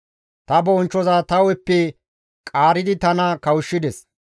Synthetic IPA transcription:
t̪ɐbɔːnt͡ʃːɔzaːt̪ɐwɛpːɛ | kʼaːɾɪd̪ɪt̪ɐnɐkɐwʊʃːɪd̪ɛs

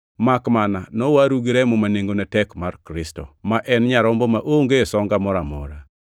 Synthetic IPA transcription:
makmananɔwaɾuɡiɾɛmɔmaneŋɡonɛtɛkmarkɾɪstɔ̰maʔɛnɲaɾɔmbɔmaʔoŋɡesɔŋɡamɔɾamɔ̰ɾa

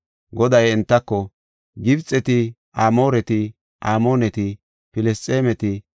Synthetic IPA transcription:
ɡɔd̪ɐjɛnt̪ːɐkːɔ | ɡɪbt͡sʼːɛt̪ɪ | aːmo̞ːɾɛt̪ɪ | ʔaːmo̞ːnɛt̪ɪ | pɪlɛstʼːeːmɛt̪ɪ

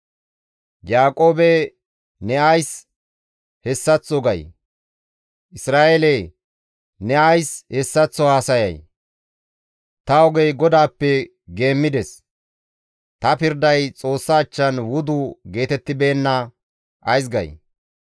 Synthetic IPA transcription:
jaːkʼo̞ːbɛ | nɛɐjs | hɛsːɐt͡sːɔɡɐj | ʔɪsɾaːʔele | nɛɐjshɛsːɐt͡sːɔhaːsɐjɐ̰j | t̪ɐɔɡɛjɡɔd̪aːpːɛ | ɡe̞ːmːɪd̪ɛs | t̪ɐpɪɾd̪ɐjt͡sʼo̞ːsːaːt͡ʃːɐnwʊd̪ʊɡe̞ːt̪ɛt̪ːɪbe̞ːnːɐ | ʔɐjs̬ɡɐ̰j

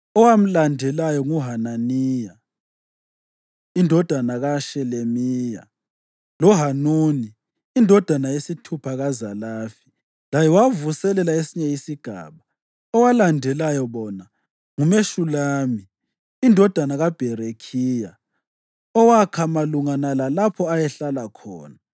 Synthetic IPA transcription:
ɔwam̩landʱɛlajɔŋuɦananiːja | indʱɔd̥ʱanaɣaʃɛlemiːja̰ | lɔɦanuːniː | ndʱɔd̥ʱanajesitʰupʰaɣazalaːfi̥ | lajɛwavusɛlɛlaesiɲɛjisiɡ̥ʱa̰ːβa | ɔwalandʱɛlajɔβɔna | ŋumeʃulaːmiː | ndʱɔd̥ʱanaɣab̥ʱɛɾekʰiːja | ɔwakʰamaluŋanalalapʰɔajɛɬalakʰɔ̰ːna

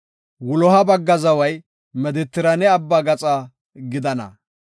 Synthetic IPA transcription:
wʊlɔɦɐbɐɡːɐzɐwɐj | mɛd̪ɪt̪ːɪɾɐnɛɐbːaɡɐt͡sʼa | ɡɪd̪ɐnɐ̰

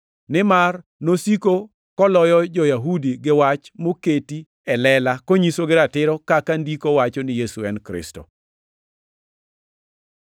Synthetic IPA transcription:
nɪmarnosiko | kɔlɔjɔd͡ʒɔjaɦudiɡɪwat͡ʃmoketi | ɛlɛlakoɲisoɡɪɾatɪɾɔkakandikowat͡ʃɔnɪjesuɛnkɾɪ̰sto̰

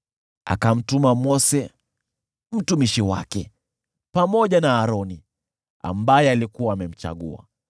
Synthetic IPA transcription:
a̰kam̩tumamɔsɛ | m̩tumiʃiwa̰kɛ | pamɔʄanaːɾɔni | a̰mbajɛalikuwaːmɛm̩t͡ʃa̰ɠua̰

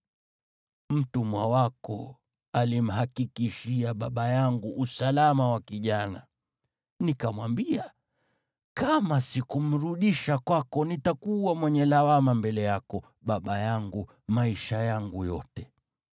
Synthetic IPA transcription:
m̩tumwawakɔ | alim̩ɦakikiʃiaɓaɓajaŋɡuʔːsalamawakiʄana | nikamwambia | kamasikum̩ɾuɗiʃakwakɔnitakuwamwɛɲɛlawamambɛlɛjakɔ | ɓaɓajaŋɡu | maiʃajaŋɡujɔtɛ

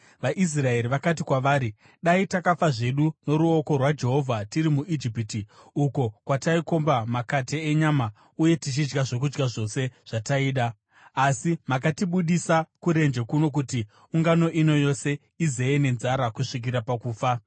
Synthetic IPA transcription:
ʋaʔis̬rae̞ɾiʋakat̬ikwaʋaːɾi | ɗaitakafaʐe̞ɗuno̞ɾuo̞ko̞rwad͡ʒe̞ɦo̞vʱatiɾimuʔid͡ʒipitiuko̞kwataiko̞mbamakateːɲama | uje̞tit͡ʃid͡ʒɡaʐo̞k̬ud͡ʒɡaʐo̞se̞ʐ̥ataiːɗaː | simak̬atiɓuɗisakuɾe̞nd͡ʒekuno̞k̬uti | uŋɡano̞ʔino̞jo̞se̞ | ize̞ene̞nzaɾakuʂik̬iɾapakuːfa

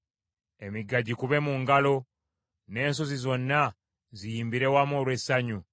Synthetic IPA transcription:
emiɡaɟikuβe̞muŋɡalo̞ | ne̞ːnsozizo̞nːa | zijiːmbiɾe̞wamoːlwesaɲu

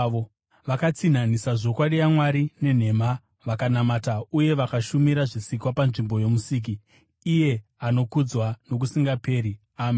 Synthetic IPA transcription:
o | ʋakat͡sin̤anisaʐo̞kwaɗijamwaɾine̞n̤e̞ma | ʋakanamatauje̞ʋakaʃumiɾaʐisikwapanʐimbo̞je̞musiːk̬iː | je̞ano̞kud͡zwano̞k̬usiŋɡape̞ːɾi | aːm

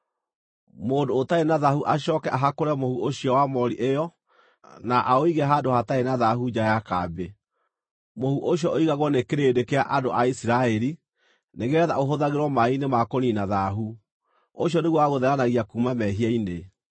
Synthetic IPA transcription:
moːndoːtaenaðahuʔaɕɔːkɛʔaɦakoɾɛmohuʔoɕiɔwamɔɾiʔejɔ | naʔaoiɣɛɦaːdohataenaðaɦud͡ʒajaka̰be | mohuʔoɕjɔʔoiɣaɣwɔnekeɾeːdekeaʔadoʔaisiɾaɛɾi | neɣeɛða̰oɦoðaɣeɾwɔmainemakoninaðaɦu | oɕiɔneɣwaaɣoðɛɾanaɣiakumamɛɦiaine

